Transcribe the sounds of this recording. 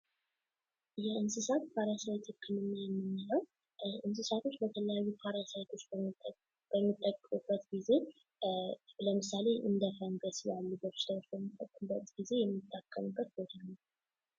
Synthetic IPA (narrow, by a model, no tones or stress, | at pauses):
jɛɨnsɨsat̪pʰaɾasajt̪ʰekʰːɨnɨmiajɛmːɨnːinəw | ɨns̬ɨsat̪ʰo̞t͡ʃːbət̪ʰələjajːupʰaɾasajt̪ʰo̞t͡ʃː | b̥əmːit̪ʼːəkʼːkʼub̥ːət̪ɡize̞ | ləmɨsale̞ʔɨ̰nd̪əfənɡəsjalːubəɾʃɪt̪ʰawot͡ʃːbəmːifʼək̪ʼːɨbːət̪ɡ̥ize̞jɛmːɨt̪ʰʼːakʰʼːəmɨbːət̪̚bot̪ʰalːu